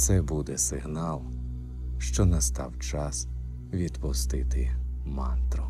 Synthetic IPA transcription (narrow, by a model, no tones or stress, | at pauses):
t̪sɛbud̪ɛsɪɦnɑlˠ | ʃt͡ʃɔnɐst̪ɑwt͡ʃɑs | ʋʲid̪pʊst̪ɪt̪ɪmɑnt̪ɾʊ